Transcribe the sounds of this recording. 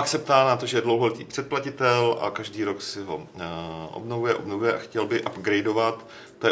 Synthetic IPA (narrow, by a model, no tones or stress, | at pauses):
paksɛp̚t̪aːnat̪o̞ʒɛjɛdlo̞wɦolɛt̪iːpr̥ɛt̪̚placɪt̪ɛlʔa̰kaʒdiːɾo̞ksɪɦo̞ | ʔo̰bnovujɛʔo̞bnovujɛʔaxcɛlbɪʔabɡɾɛjdo̞vat̪ | t̪ojɛ